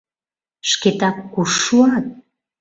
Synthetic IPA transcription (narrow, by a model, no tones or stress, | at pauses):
ʃket̪ɑkːuʃuɑt̪̚